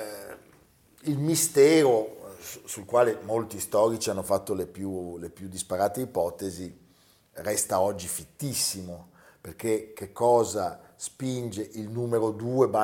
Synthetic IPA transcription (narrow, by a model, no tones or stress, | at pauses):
ilmist̪ɛːɾo | sulkwaːlemolt̪ist̪ɔːɾit͡ʃianːofat̪ːolepjulepjud̪ːispaɾaːt̪eipɔt̪ezi | rɛst̪aɔd͡ʒːifit̪ːisːimo | perkekekːɔːzaspind͡ʒeʔilnuːmeɾod̪uːeba